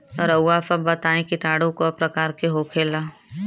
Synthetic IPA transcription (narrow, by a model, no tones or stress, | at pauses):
ɔːɾɐwːaːfabɐt̪aːẽkiʈaːɽõkoɐpɾɐkaːɾkeɦoːkʰeːlaː